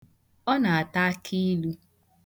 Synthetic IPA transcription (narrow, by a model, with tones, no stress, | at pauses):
ɔ˦na˨a˨ta˦a˦kʰi˦lu˦